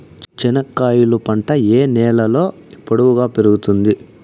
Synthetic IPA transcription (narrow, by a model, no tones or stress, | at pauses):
t͡ʃt͡ʃinɐkːaːjulupɐɳʈɐeːnɛːlɐlo̞ːipːɐɽuʋuɡaːpeɾuɡut̪und̪i